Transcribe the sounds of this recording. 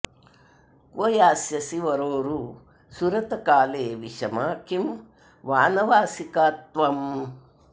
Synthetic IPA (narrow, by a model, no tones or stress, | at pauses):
kʋɐjaːsjɐsiʋɐɾoːɾu | suɾɐt̪ɐkaːleːʋiʃɐmaːkim | ʋaːnɐʋaːsikaːt̪ʋɐm